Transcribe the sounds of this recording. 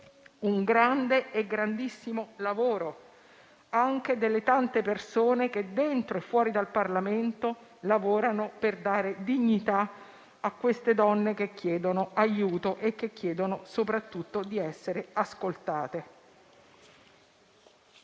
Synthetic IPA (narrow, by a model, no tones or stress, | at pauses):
uŋɡɾand̪eeɡɾand̪isːimolavoːɾo | aŋk̟ed̪elːet̪ant̪epersoːneked̪ːent̪ɾoefːwɔːɾid̪alparlament̪o | lavoːɾanoperd̪aːɾed̪iɲːit̪a | akːwest̪ed̪ɔnːek̟ekːjɛːd̪onoajuːt̪oʔek̟ːekːjɛːd̪onosopɾat̪ːut̪ːod̪iɛsːeɾeaskolt̪aːt̪e